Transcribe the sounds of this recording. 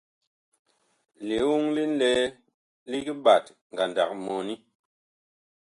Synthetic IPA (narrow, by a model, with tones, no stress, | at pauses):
li˨˦wu˦ŋli˦n̩˦lɛ˦ | li˦ki˦ɓa˨t | ŋ˨ɡa˨nda˨k̚mɔ˨ni˦